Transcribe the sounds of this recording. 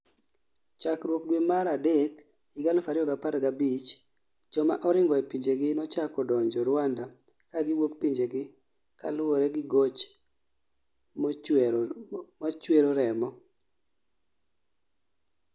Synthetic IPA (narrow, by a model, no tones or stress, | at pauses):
t͡ʃakɾwok̚dwemaɾadek | ɪɡalfaɾɪɔɡapaɾɡabit͡ʃ | d͡ʒɔmaʔɔɾɪŋɡɔɛpiɲd͡ʒeɡɪnɔt͡ʃakɔdɔɲd͡ʒɔɾwanda | kaɡɪwokpiɲd͡ʒeɡɪ | ka̰lʊoɾɛɡɪɡot͡ʃ | mɔt͡ʃweɾoɾɛmɔ